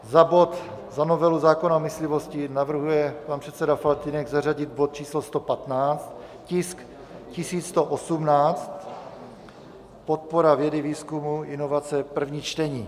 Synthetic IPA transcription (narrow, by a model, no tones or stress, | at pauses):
zabo̞t̪zano̞vɛluzaːkonamɪslɪvo̞scɪnavr̩ɦujɛpanprɛt̪t͡sɛdafalt̪inɛɡzaraɟɪd̪̚bot̪̚t͡ʃiːslost̪o̞pat̪naːt͡st̪ | cɪsk | cɪsiːt͡st̪oʔosumnaːt͡st̪ | pot̪̚poɾavjɛdɪviːskumuʔɪno̞vat͡sɛpr̩vɲiːt͡ʃt̪ɛɲiː